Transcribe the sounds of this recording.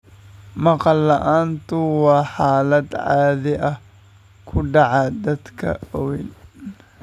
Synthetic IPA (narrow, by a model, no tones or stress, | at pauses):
mɑqɑlːɐʔaːnt̪ʰʊwɑːħɑːlɐd̪ʕaːðɛʔɐh | kʰʊɖɑʕɑd̪ɐd̪kʰɐ̰ɔwɛn